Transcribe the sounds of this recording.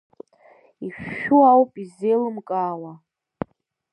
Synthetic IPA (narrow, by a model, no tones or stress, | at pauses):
iʃᶣːuawpʼizejlɨmkʼaːwa